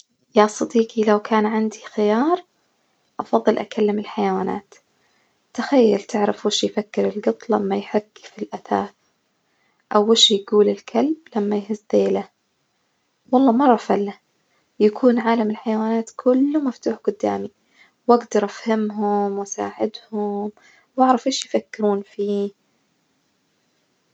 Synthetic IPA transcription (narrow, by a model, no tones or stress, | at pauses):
jasˤɑd̪iːqilawkʰaːnʕand̪ixɪjɑːɾˤ | ʔɑfɑðˤːɨlʔa̰kʰalːɪmɪlħajawaːna̰ːt̪ | t̪axajːalt̪ʰɪʕɾɪfwɪʃjfakːɪɾɪlɡɨt̪ˤlamːajħaɡːfilʔaθa̰ːθ | ʔawːɪʃjɡuːlɪlkʰalblamːajhɪzd̪eːla | wɑlˤːɑːmɑɾˤɑfalːa | jakʰuːnʕaːlamɪlħajawaːnaːt̪kʰʊlːumaft̪uːħɡʊd̪ːa̰ːmi | waɡd̪ɑɾˤʔafhamɦʊmwasa̰ːʕɪd̪hʊm | waʕɾˤɑfʔeːʃjfakːɪɾuːnfiː